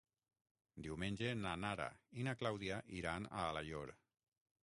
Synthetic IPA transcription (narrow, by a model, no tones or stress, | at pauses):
d̪iwmenʲd͡ʒenanaɾa̰inaklawðiaʔiɾana̰ːlaʎoɾ